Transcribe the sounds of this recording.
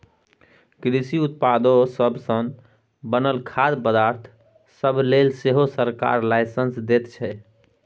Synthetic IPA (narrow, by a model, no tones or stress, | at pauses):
kɾisiut̪̚pad̪osəbʱsəŋ | bənəlkʰad̪pəd̪aɾt̪ʰ | səbʱlelseɦosəɾka̰ɾlajsənsd̪et̪t͡ʃʰɛ